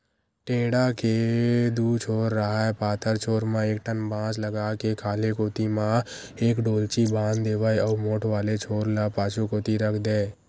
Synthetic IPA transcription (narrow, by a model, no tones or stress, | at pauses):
ʈeːɽaked̪uːt͡ʃʰoːɾːəɦaepaːt̪ʰəɾt͡ʃʰoːɾmãeːkʈənbãːt͡ʃləɡakekʰaːlekoːt̪imã | eːkɖoːlt͡ʃibãːnd̪eːʋəjɔːɾmoːʈʰʋaːlet͡ʃʰoːɾlapaːt͡ʃʰukoːt̪iɾəkʰd̪eː